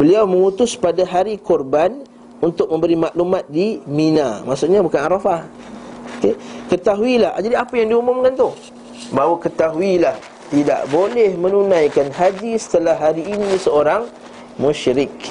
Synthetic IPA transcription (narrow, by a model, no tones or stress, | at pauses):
bəliawməŋut̪ʊspadaɦaɾikɔrban | unt̪ʊk̚mə̃mbəɾimaʔlumat̪̚dimina̰maʔsʊʔɲabukanaɾafahokekət̪aɦuilaa̰d͡ʒadiapajaŋdiumʊmkant̪u | baɦwakət̪aɦuilah | t̪ida̰ʔbolɛhmə̃nunãjkanɦad͡ʒisə̥t̪əlahːaɾiːnisəoɾaŋ | mũʃɾɪk̚